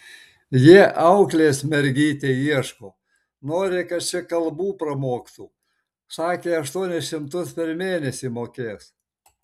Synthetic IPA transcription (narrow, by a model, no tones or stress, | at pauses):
jiɛʔɐʊklʲeːsmʲɛɾʲɡʲiːt̪ʲeiɛʃkoː | noːɾʲɪkɐt̪t͡ʃʲɪkɐlˠbuːpɾɐmoːkt̪uː | sɑːkʲeːɐʃt̪uɔnʲɛsʃʲɪmt̪ʊspʲɛɾmʲeːnʲɛsʲimoːkʲeːs